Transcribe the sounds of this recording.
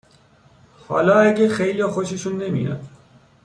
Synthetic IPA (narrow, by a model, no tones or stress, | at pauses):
hɒ̰ːlɒːæɡexejliɒːxoʃiʃunːemḭːɾæ̰d̪